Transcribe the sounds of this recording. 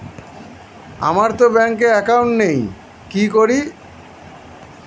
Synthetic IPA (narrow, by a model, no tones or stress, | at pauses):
a̰maɾt̪obɛŋkeɛkawɳʈnej | kikoɾi